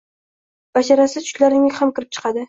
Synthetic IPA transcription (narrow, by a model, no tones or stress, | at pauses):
b̥aʃaɾasɪt͡ʃʰʊ̥ʃlaɾnɪŋahamkʲɪɾɪp̚t͡ʃʰɨ̥qʰɑd̪ɪ